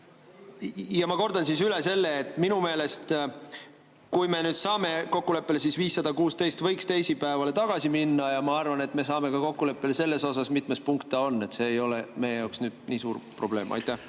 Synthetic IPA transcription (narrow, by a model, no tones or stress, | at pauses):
jɑmɑko̞rd̪ɑnsisyle̞se̞lːeːt̪ːˑminume̞ːle̞st̪ | kujme̞nyːd̪̥sɑːme̞ko̞kːule̞pːelesisviːsːɑd̪̥ɑkuːst̪e̞jst̪vɤjkst̪e̞jsipæevɑle̞t̪ɑɡ̥ɑsiminːɑjɑmɑɑrvɑne̞t̪ːˑme̞sɑːme̞kɑko̞kːule̞pːe̞lese̞lːe̞so̞sɑsmit̪mespuŋkt̪ːeo̞nːe̞t̪se̞ːjo̞le̞me̞jejɑwksnyːd̪̥̚niːsuːrpro̞b̥le̞ːmʔɑ̰jt̪ˑːæh